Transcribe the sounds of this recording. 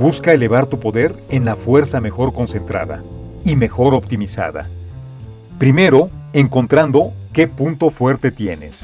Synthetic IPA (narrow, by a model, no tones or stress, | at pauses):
buskae̞le̞βaɾt̪upo̞ðe̞ɾe̞nlafwe̞ɾsame̞xo̞ɾko̞nse̞nt̪ɾa̰ða̰ | ime̞xo̞ɾo̞p̚t̪imisa̰ða̰ | pɾime̞ɾo̞eŋko̞nt̪ɾand̪o̞ke̞punt̪o̞fwe̞ɾt̪e̞t̪je̞̰ne̞̰s